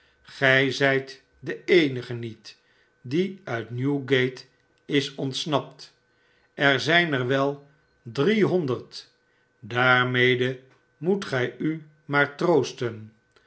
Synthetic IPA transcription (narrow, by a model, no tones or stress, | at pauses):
χɛjzɛjt | dəejnəχənit | diœɥtnjuɡejt | ɪsɔntsnɑp̚t | ɛɹzɛjnəɹʋɛlˠ | driɦɔndəɹt | daːɹmejdə | mutχɛjy | maːɹtrowstən